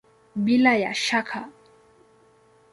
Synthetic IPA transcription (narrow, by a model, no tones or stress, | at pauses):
bilaja̰ʃakʰa